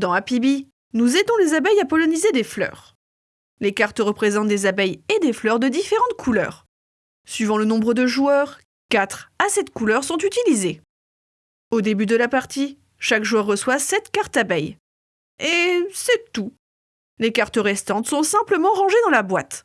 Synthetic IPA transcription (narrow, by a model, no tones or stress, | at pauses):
d̪ɑ̃apibi | nuzed̪ɔ̃lezabɛjapɔlɔnized̪eflœ̰ʁ | lekaʁt̪ʁəpχezɑ̃t̪̚d̪ezabɛjed̪eflœʁd̪əd̪ifeʁɑ̃t̪kʰulœ̰ːʁ | sɥivɑ̃lənɔ̃bʁəd̪əʒuœʁ | kat̪χasɛt̪kulœʁsɔ̃t̪yt̪ilize | od̪ebyd̪əlapaʁt̪i | ʃakʒuœʁːəswasɛt̪kaʁt̪abɛj | esɛt̪u | lekaʁt̪əʁɛst̪ɑ̃t̪sɔ̃sɛ̃pləmɑ̃ʁɑ̃ʒed̪ɑ̃labwat̪